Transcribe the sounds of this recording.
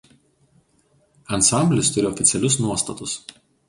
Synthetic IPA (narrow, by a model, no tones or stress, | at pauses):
ɐnsɑˑmʲbʲlʲɪst̪ʊɾʲɪɔfʲɪt̪sʲɛlʲʊsnuɔst̪ɐt̪ʊs